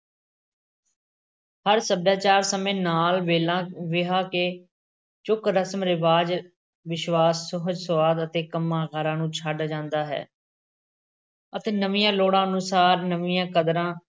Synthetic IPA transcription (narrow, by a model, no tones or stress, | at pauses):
həɾsəb̚daːt͡ʃaːɾsəmẽːnaːlʋeːlãːʋɪɦaːkeː | t͡ʃʊkɾəsəmɾɪʋaːd͡ʒ | ʋɪʃʋaːsːʊɦəd͡ʒsʊʋaːd̪ət̪eːkəmːãːɣəɾãːnũːt͡ʃʰaːɖd͡ʒãːnd̪aːɦɛ̰ː | ət̪eːnəʋɪjãːloːɽãːənũsaːɾnəʋɪjãːkəd̪ɾãː